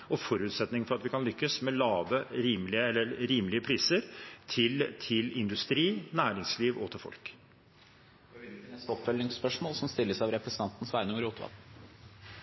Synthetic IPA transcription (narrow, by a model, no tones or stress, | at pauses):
ɔfɔɾʉːt̪sɛt̪nɪŋfɔɾɑt̪ʋɪkʰɑnlʏkːəsmɛlɑːʋəɾiːmlɪəɛlːəɾɾiːmlɪəpʰɾiːsəɾt̪ʰɪlt̪ʰɪlɪnd̪ʉst̪ɾiːnæːɾɪŋsliːʋɔ̰t̪ʰɪlfɔ̰lk | sɔpfœlnɪŋspœʂmoːlsɔmst̪ɪlːəsɑʋɾɛpɾɛsən̩ɑnt̪n̩sʋæɪnʊŋəɾuːt̪ʰʋɑ̰l